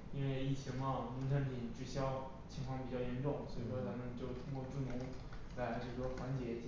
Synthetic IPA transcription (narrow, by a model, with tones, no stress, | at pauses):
i˥nwe˥˧ɪi˥˩t͡ɕʰi˧˥mɐ˥˩ni˧˥ʈ͡ʂʰa˧˥np̪ʰi˨˩nʈ͡ʂ̩˥˩ɕjɑ˥ʊ | t͡ɕʰi˧˥ŋkʰwɑ˥ŋpi˨˩t͡ɕjɑ˥˩ʊjɛ˧˥nʈ͡ʂʊ˥˩ŋswɔ˧˥i˨˩ʂwɔ˥t͡sʰa˥mə˧˨nt͡ɕjo˥˩ʊt̪ʰʊ˥ŋkwɔ˥˧ʈ͡ʂu˥˩mʊ˧˥ŋ | la˧˥ɪʈ͡ʂɤ˥˩ɡə˩xwa˧˥nt͡ɕjɛ˧˥t͡ɕ